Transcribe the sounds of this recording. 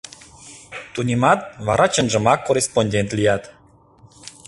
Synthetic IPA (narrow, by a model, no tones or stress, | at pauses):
t̪unʲimɑt̪̚βɑɾʔɑt͡ɕənʒə̆mɑkːorʲesponʲdʲent̪lʲijɑt̪